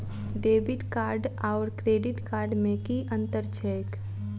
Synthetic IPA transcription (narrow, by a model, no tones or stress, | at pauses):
ɖeːbɪʈkaːɾɖaːɾkɾeːɖɪʈkaːɾɖmẽkiʔə̃nt̪əɾt͡ʃʰɛːk